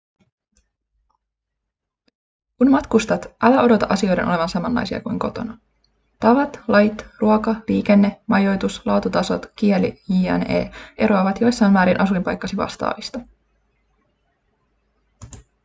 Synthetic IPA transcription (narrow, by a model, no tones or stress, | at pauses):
kunmɑt̪kust̪ɑt̪ʔælæʔo̞do̞t̪ɑʔɑsio̞jde̞nʔole̞ʋɑnsɑmɑnlːɑ̰jsiɑ̰kujŋko̞t̪o̞̰nɑ | t̪ɑʋɑt̪lɑjt̪ruokɑliːk̟e̞nːe̞mɑjo̞jt̪uslɑːt̪ut̪ɑso̞̰t̪k̟ielḭiːæ̰nḛːʔe̞ɾo̞ɑʋɑt̪jo̞jsːɑjnʋæːɾinʔɑsuimpɑjkːɑsiʋɑ̰st̪ɑ̰ːʋist̪ɑ